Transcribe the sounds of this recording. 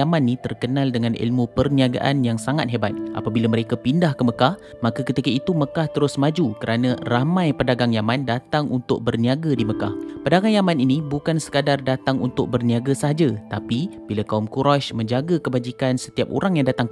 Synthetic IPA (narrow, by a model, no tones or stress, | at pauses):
amãnːĩt̪ərkənãldəŋãnʔḭlmũpərniaɡa̰ʔa̰njaŋsaŋat̪̚ɦebat̪̚ʔa̰pabilaməɾekapindahkəməkah | makakət̪ikait̪uməkaht̪əɾʊsmad͡ʒukəɾʔanãramãjpədaɡaŋjamãndat̪aŋʔunt̪ʊ̰k̚bərniaɡadiməkahpədaɡaŋjamãninibukansə̥kadardat̪aŋunt̪ʊk̚bərniaɡasəɦad͡ʒat̪apib̥ilakaumkuɾaʃmə̃ɲd͡ʒaɡakəbad͡ʒikansə̥t̪iap̚o̰ɾaŋjaŋdat̪aŋ